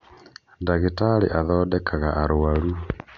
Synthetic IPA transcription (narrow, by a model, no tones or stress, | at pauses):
ndaɣetalḭʔaðɔːdɛkʰaɣaʔaɾʊwalu